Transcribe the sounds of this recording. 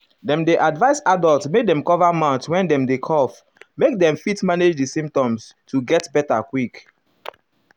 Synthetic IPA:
dɛ̃mdeʔadvaɪsadɔltmedɛ̃mkɔvamãtwɛ̃ndɛ̃mdekʰɔf | mek̚dɛ̃mfitmaned͡ʒdisĩmp̚tɔ̃mstʰuɡɛtbɛtakwik

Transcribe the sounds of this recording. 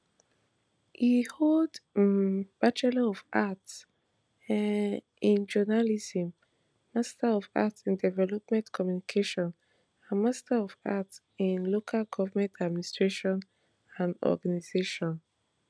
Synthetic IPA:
hihold | b̥at͡ʃɛloɔvʔats | ĩnd͡ʒɔnalizĩmː | astaɔva̰tsĩndɛvɛlɔpmɛ̃ntkʰɔmjunikʰeʃɔ̃n | ãnmastaɔvats | ĩnlokʰalɡɔvamɛ̃ntʰadministɹ̥eʃɔ̃n | ãndɔ̰ɡanizeʃɔ̃n

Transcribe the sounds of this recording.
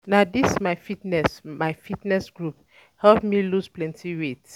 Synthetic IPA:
nadismaɪfitnɛsmaɪfitnɛsɡɹup̚ | hɛlpmilusplɛ̃ntiɹet

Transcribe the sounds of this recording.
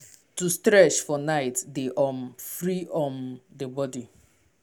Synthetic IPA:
tustɾɛt͡ʃfɔnaɪtdeʔɔmfɹiʔɔ̃ndebɔdi

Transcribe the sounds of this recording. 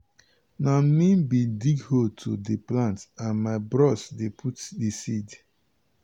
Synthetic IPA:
namĩbidiɡhotʰodeplãntãnmaɪbɹɔsdepʰutdisid

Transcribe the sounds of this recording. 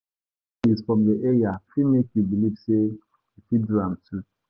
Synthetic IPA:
izfɹɔ̃mðeʔeɹiafimekjubilivse | ifidɹãmtʰu

